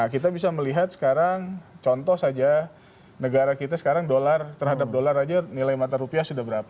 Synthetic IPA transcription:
akit̪abis̬aməliɦat̪̚sə̥kaɾaŋt͡ʃɔnt̪ɔhsad͡ʒa | nəɡaɾakit̪asə̥kaɾaŋdolart̪ərhadap̚dolaɾad͡ʒanilajmat̪aɾupiasudahbəɾapa

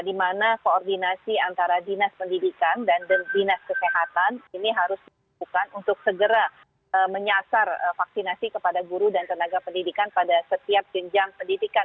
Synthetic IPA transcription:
dimanakoɔrdinasiant̪aɾadinaspəndidikandandəndinaskəseɦat̪aniniɦaɾʊsdiləkukanunt̪ʊk̚səɡəɾa | əməɲasarə̰fak̚sinasikəpadaɡuɾudant̪ənaɡapəndidikanpadasət̪iap̚d͡ʒəɲd͡ʒaŋpəndidikan

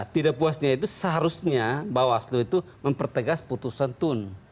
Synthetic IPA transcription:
t̪idaʔ̚puasɲait̪usəɦaɾusɲabawaast̪uit̪u | məmpərt̪əɡasput̪usant̪ʊn

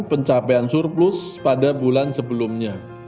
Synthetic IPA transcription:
npəɲt͡ʃapɛansʊrplʊspadabulansəbəlʊmɲa

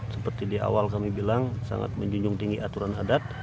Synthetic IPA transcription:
səpərt̪idia̰walkamibilaŋsa̰ŋa̰t̪̚məɲd͡ʒuɲd͡ʒʊŋt̪iŋɡiʔat̪uɾanadat̪̚

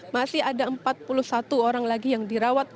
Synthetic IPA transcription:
masɪɦadaəmpat̪̚puluhsat̪uoɾaŋlaɡijaŋdiɾawat̪̚

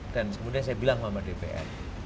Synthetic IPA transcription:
d̥ankəmudians̬ajabilaŋmamadepḛʔɛ̰r

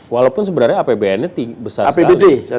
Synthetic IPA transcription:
walaupʊns̬əbənarɲaːpebeɛnɲat̪ibəsaraspekabelidesa

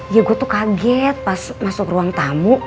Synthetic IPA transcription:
jaɡuat̪ukaɡɛt̪̚pasmasʊkruaŋt̪amʊʔ

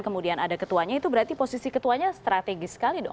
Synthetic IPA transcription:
nkəmudianadakət̪uaɲait̪ubəɾart̪iposisikət̪uaɲast̪ɾat̪eɡisə̥kalidɔ̰

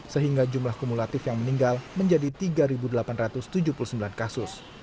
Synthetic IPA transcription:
səɦiŋɡad͡ʒumlahkumulat̪ɪfjaŋməniŋɡalməɲd͡ʒadit̪iɡaɾibudəlapanrat̪ʊst̪ud͡ʒupuluhsəmbilankasʊs

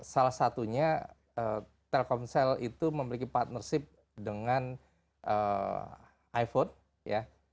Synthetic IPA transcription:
salahsat̪uɲa | ə | t̪elekɔmsɛlḭt̪uməmilikipat̪̚nərsip̚ | dəŋan | ʔə | ajfon | ja

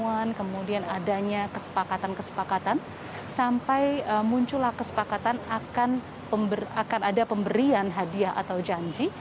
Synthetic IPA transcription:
ankəmudianadaɲakəsə̥pakat̪ankəsə̥pakat̪an | sampajəmuɲt͡ʃʊlahkəsə̥pakat̪anakan | pəbakanadapəmbəɾianɦadiaɦa̰t̪awd͡ʒaɲd͡ʒi

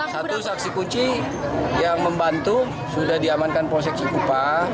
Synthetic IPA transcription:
sat̪usak̚sikuɲt͡ʃi | jaŋməmbant̪u | sudahdiamankanpos̬ɛk̚sukupa

